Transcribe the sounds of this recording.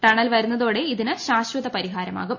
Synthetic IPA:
ʈɐɳɐlʋɐɾunːɐðoːɽe̞iðinɨɕaːɕwɐðɐpɐɾiɦaːɾɐma̰ːɣum

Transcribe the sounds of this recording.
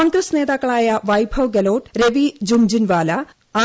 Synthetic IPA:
oːŋɡɾɐsne̞ːðaːkːɐɭaːjɐʋɐjbʱɐʋɡɐloːʈɾeʋid͡ʑumd͡ʑinʋaːlɐ | aː

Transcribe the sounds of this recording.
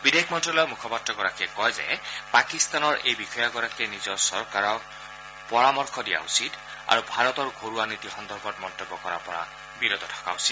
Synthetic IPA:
bidekʰmɔntɹɔlɔjmukʰɔpatɹɔɡɔɹakɛkɔjzɛ̰pakist̪anɔɹʔejbixʰɔjɔɡɔɹakɛnizɔɹsɔɹkaɹɔ | pɔɹamɔɹkʰɔdija̰usid | a̰ɹubʱaɹɔt̪ɔɹɡʱoɹuanit̪ixɔnd̪ʱɔɹbʱɔt̚mɔnt̪ɔbːɔkɔɹa̰pɔɹa̰ | biɾod̪ʱɔtʰḁka̰usi̥t̚

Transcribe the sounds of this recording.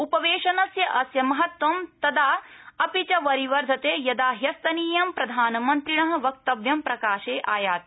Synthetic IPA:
upɐʋeːʃɐnɐsjɐʔɐsjɐmɐɦɐt̪ʋɐmt̪ɐd̪aːɐpit͡ʃɐʋɐɾiʋɐɾd̪ʱɐt̪eːjɐd̪aːɦjɐst̪ɐniːjɐmpɾɐd̪ʱaːnɐmɐnt̪ɾiɳɐɦɐ̆ʋɐk̚t̪ɐʋjɐmpɾɐkaːʃeːʔaːjaːt̪̚

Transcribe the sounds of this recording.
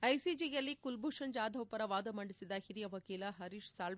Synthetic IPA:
ɐjsid͡ʒijɐlːikulbʱuːʂɐnd͡ʒaːd̪ʱɐwpɐɾɐʋaːd̪ɐmɐɳɖisid̪ɐhiɾijɐʋɐkiːlɐɦɐɾiːʃsaːl

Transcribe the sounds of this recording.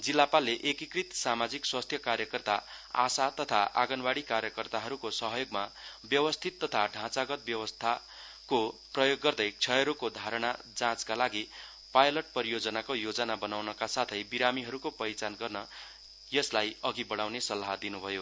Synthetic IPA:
d͡zilːapalːeʔekikrit̪samad͡zikswast̪ʰjʌkarjʌkʌrt̪aa̰sat̪ʌt̪ʰaʔa̰ɡʌnbaɽikarjʌkʌrt̪aɦʌɾukosʌɦʌjoɡmabjʌwʌst̪ʰit̪ːʌt̪ʰaɖʱãt͡saɡʌt̪̚bjʌwʌst̪ʰa | koprʌjoɡːʌrd̪ʌjt͡sʰʌjɾokod̪ʱaɾʌɽ̃a | d͡zãt͡skalaɡi | pajlʌʈ̚pʌɾijod͡zʌnakojod͡zʌnabʌnawnʌkasat̪ʰʌjbiɾamiɦʌɾukopʌjt͡sanɡʌrnʌ | jʌslajʌɡibʌɽ̃awnesʌlːaɦd̪inubʱʌjo

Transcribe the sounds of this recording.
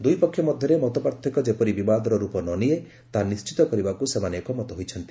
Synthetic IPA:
d̪ujpɔkʰːjɔmɔd̪ʱjɔɾemɔt̪ɔpɔɾt̪ʰɔkɔd͡ʒepɔɾibibad̪ɔɾɔɾupɔnɔnie | t̪anist͡ʃit̪ɔkɔɾibakusemanekɔmɔt̪ɔɦojt͡ʃʰɔnt̪i̥

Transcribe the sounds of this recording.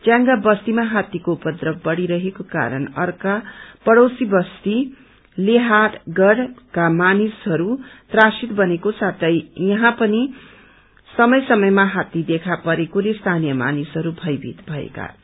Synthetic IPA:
t͡sjãŋɡabʌst̪imaɦat̪ːikoupʌd̪rʌbʌɽiɾʌɦekoka̰ɾʌnʌrkapʌɽowsibʌst̪i | leɦaʈɡʌɽkamanisɦʌɾut̪rasit̪bʌnekosat̪ʰʌjjʌɦãpʌni | sʌmʌjsʌmʌjmaɦat̪ːid̪ekʰapʌɾekoɾest̪ʰanijʌma̰nisɦʌɾubʱʌjbʱḭt̪bʱʌḛka̰

